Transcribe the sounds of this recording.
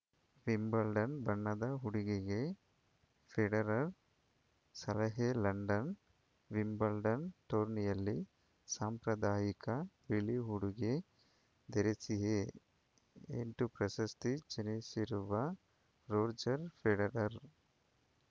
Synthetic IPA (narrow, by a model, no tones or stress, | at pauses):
ʋimbɐlɖɐnbɐɳːɐd̪ɐɦuɽiɡeɡe | pʰeɖɐɾɐɾ | sɐlɐɦelɐɳɖɐn | ʋimbɐlɖɐnʈoːɾnijɐlːi | saːmpɾɐd̪aːjikɐɾiliɦuɽuɡe | d̪eɾesiɦe | ḛɳʈupɾɐsɐst̪id͡ʒenesiɾuʋɐ | ɾoːɾd͡ʒɐɾpʰeɖɐɾɐɾ